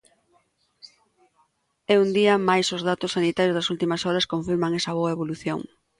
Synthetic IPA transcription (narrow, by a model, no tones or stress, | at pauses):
ɛund̪iɐmajsozðat̪ʊsːanit̪ajozðɐsult̪imɐsɔɾɐskõɱfiɾmaŋɛsɐβoɐeβ̞oluθjo̰ŋ